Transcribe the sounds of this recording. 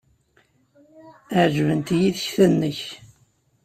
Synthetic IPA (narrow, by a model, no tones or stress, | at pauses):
əʕʒvənt̪jiðəçθænːəç